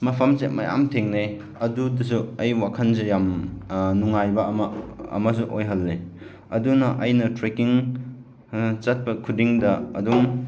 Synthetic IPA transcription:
mɐpʰɐmset̚mɐ̰ja̰mtʰeŋne | ɐdudɐs̬uɐjwakʰɐnzejamnuŋajbɐmɐɐ̰mɐs̬uʔojɦɐlːe | ɐdunɐʔɐjnɐtɾekiŋ | t͡ʃɐt̚pɐkʰudiŋdɐɐ̰duŋ

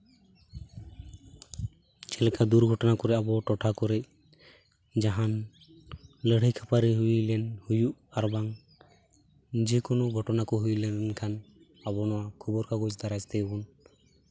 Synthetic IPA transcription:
t͡ʃɛlɛkʰad̪uɾɡʱɔʈɔnakɔɾɛabɔʈɔʈʰakɔɾɛc | d͡ʒaɦan | ləɽ̤əjkʰapaɾiɦuilɛnhujuʔaɾbaŋ | d͡ʒekɔnoɡʱɔʈɔnakɔɦujlɛnkʰan | abɔnɔwakʰubɔɾkaɡɔd͡ʒt̪aɾad͡ʒt̪ɛbɔn

